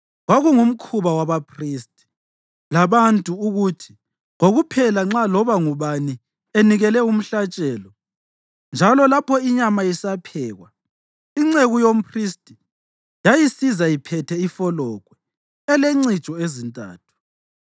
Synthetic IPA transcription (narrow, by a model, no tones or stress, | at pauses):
ɣwaɣuŋum̩kʰuβawaβapʰriːstʼi̥ | laβantʼuuɣutʰi̥ | ŋoɣupʰɛlaŋ͡ǁalɔβaŋuβani | eniɣɛlɛum̩ɬat͡ʃʼɛːlɔ | nd͡ʒʱalɔlapʰɔiɲamajisapʰɛːɣwa | iŋ͡ǀeɣujom̩pʰristʼi | jajisizajipʰɛtʰɛifɔlɔɣwɛ | ɛleŋ͡ǀit͡ʃʼɔezintʼa̰ːtʰu̥